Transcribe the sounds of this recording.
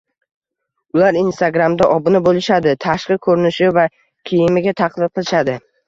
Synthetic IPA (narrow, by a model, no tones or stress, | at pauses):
ʊlaɾinst̪aɡɾamd̪aʔɒbɪnɪbolɪʃad̪ɪt̪ʰaʃqɨkʰɵɾɪnɪʃɪva | kʲʰijɪmɪɡʲat̪ʰaqʰlˠɪqʰɨlˠɪʃad̪ɪ